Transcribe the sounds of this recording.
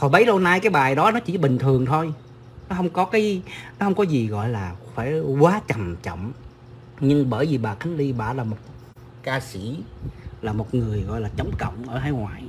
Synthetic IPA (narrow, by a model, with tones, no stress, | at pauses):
kɔ˨˩ɓə˨˦jlo˧naː˧jkaː˨˦jɓaː˨˩jɗɔ˨˦nɔ˨˦t͡ɕi˧˩ɓï˨˩ŋ̟t̪ʰɨ˨˩əŋt̪ʰo˧j | nɔ˨˦ɦə˧wŋ͡mkɔ˨˦kaː˨˦jnɔ˨˦hə˧wŋ͡mkɔ˨˦zi˨˩ɣɔ̰˧˨jlaː˨˩faː˧˩jkwaː˨˦t͡ɕa˨˩mt͡ɕɔ̰˧˨wŋ͡m | ɲɨ˧ŋɓəː˧˩jvi˨˩ɓaː˨˩kʰa˨˦jŋ̟li˧ɓaː˧˩laː˨˩mo˨˩t̚ | kaː˧si˧˩˨laː˨˩mo˨˩t̚ŋɨ˨˩əjɣɔ̰˧˨jlaː˨˩t͡ɕə˨˦wŋ͡mkə̰˧˨wŋ͡mʔəː˧˩t̪ʰaː˨˦jŋwaː˨˩j